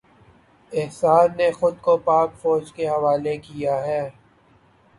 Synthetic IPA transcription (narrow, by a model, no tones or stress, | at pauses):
ɪɦsaːd̪nexʊd̪̚kopaːkfɔːd͡ʒkeɦɐʋaːlekijaɦɛː